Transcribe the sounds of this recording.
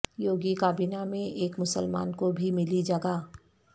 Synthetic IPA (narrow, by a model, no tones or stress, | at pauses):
joːɡikaːbinamẽʔeːkmʊsəlma̰ːnkobʱimɪlid͡ʒɐɡaː